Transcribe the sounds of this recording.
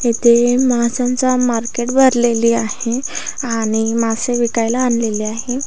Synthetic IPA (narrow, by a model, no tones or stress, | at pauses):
ɦet̪ʰemasant͡samaɾkeʈbʱəɾleliːaɦeaɽ̃imaseʋikajlaːnleliːaɦe